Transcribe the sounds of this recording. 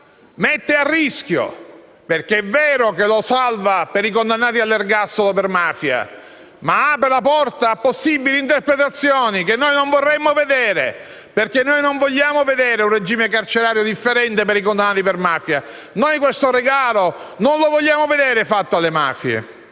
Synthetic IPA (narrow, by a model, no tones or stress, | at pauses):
met̪ːearːisk̟jo̰ | perk̟eɛvːɛːɾokelosalvapeɾikond̪anːaːt̪̬ialːerɡasːolopermaːfja̰ | maaːpɾelapɔrt̪aːpːosːibilint̪erpɾet̪at̪sːjoːnikenːojnoɱvorːɛmːoved̪eːɾḛ | perkenːojnoɱvoʎːaːmoved̪ɛːɾeunred͡ʒiːmek̬art͡ʃeɾaːɾjod̪ifːeɾɛnt̪epeɾikond̪anːaːt̪ipermaːfja | nojkwest̪oɾeɡaːlo | nonlovoʎːaːmoved̪eːɾefat̪ːoalːema̰ːfjḛ